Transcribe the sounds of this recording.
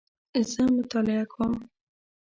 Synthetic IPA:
zəmʊt̪ɑlɪakʰom

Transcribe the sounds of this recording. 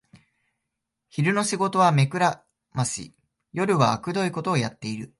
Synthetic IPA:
çiɾɯ̟no̞ɕiɡo̞t̪o̞βame̞kɯ̟ɾa | maɕḭ | jo̞ɾɯ̟βaːkɯ̟d̪o̞iko̞t̪o̞ːjat̪ːe̞iɾɯ̟

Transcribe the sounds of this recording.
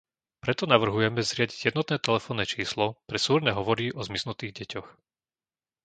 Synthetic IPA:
pɾɛt̪ɔnaʋr̩ɦujɛmɛzɾɪaɟiɟjɛd̪nɔt̪nɛːt̪ɛlɛfɔːnːɛːt͡ʃiːslɔpɾɛsuːɾnɛɦɔʋɔɾiʔɔzmisnut̪iːɣɟɛcɔx

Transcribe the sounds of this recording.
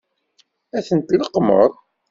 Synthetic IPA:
æθənt̪ləqːmə̰ɾˤ

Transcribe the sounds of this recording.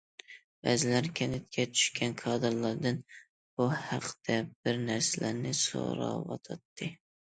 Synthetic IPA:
bæ̰zɪlæɾkʲʰɛnɪt̪̚kʲʰɛt͡ʃʰy̥ʃkʲɛnkʰɑːd̪ɨɾlˠɑɾd̪ɨn | b̥uhɑqʰd̪̥ɛbɪɾnæɾsɪlæɾnɪso̰ɾɑ̰wɑ̰t̪ʰɑt̪ʰːɨ

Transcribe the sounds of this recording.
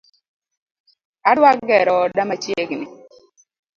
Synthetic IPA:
adwakɡɛɾɔdamat͡ʃjeɡnɪ

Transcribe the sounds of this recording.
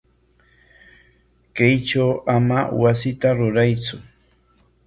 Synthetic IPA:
kajt͡ʃawamawasɪt̪aɾʊɾajt͡sʊ

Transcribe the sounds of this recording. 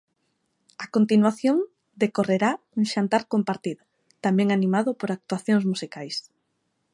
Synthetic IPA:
akont̪inwaθjoŋ | d̪ekoreɾa | uŋʃant̪aɾkompaɾt̪iðʊ | t̪amɛ̃ŋanĩmaðʊpoɾak̚t̪uaθjoŋzmusikajs

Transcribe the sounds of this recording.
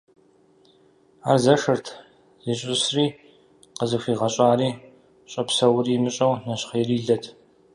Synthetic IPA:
aːrzɐʂɨrtʰ | zɪɕʼɪsriː | qəzɨxʷiːʁɐɕʼaːɾiː | ɕʼɐpsɐwriːmɨɕʼɐwnɐɕχɐjriːɮɐtʰ

